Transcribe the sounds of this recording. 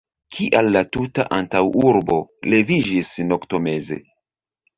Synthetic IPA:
kʰiʔalːatutaʔantawuɾbo̞le̞vid͡ʒisno̞kto̞me̞ze̞̰

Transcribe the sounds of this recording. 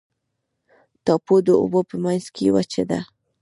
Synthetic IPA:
t̪apʊd̪oʊ̰bopɪmajskiwat͡ʃad̪a̰

